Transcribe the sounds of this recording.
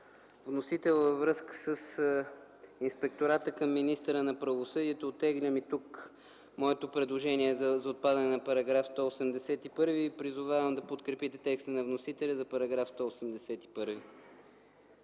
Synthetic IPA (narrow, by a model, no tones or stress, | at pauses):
vnosit̪ɛlˠvəvɾɤskə̥səs | inspɛk̚t̪oɾat̪əkɐmːinist̪əɾənɐpɾɐvosɤd̪iɛt̪oːt̪ɛɡləmit̪uk | mɔɛt̪opɾɛd̪lˠoʒɛniɛzzɐot̪̚pad̪ɐnɛnɐpɐɾɐɡɾafst̪ɔosɛmd̪ɛsɛt̪ipɤɾvipɾizʊvavəmd̪ɐpot̪kɾɛpit̪ɛt̪ɛkst̪ənɐvnosit̪ɛlʲɐzɐpɐɾɐɡɾafst̪ɔosɛmd̪ɛsɛt̪i̥pɤɾvi